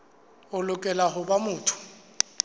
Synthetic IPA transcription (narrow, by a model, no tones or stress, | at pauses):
ʊlʊkʼɛlaɦʊbamʊːtʰʊ̥